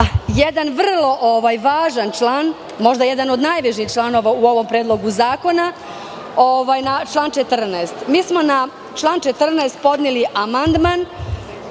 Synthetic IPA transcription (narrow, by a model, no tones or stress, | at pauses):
jed̪anʋr̩lˠo̞ʔoʋajʋaːʒant͡ʃlˠaːn | mo̞ʒd̪ajed̪ano̞d̪naːjʋeʃixt͡ʃlˠaːno̞ʋauo̞ʋo̞mpɾed̪lˠo̞ɡuzaːko̞na | oʋajnat͡ʃlˠaːnt͡ʃet̪r̩naest̪miːsmo̞na | t͡ʃlˠaːnt͡ʃet̪r̩naest̪̚po̞d̪niliʔamand̪man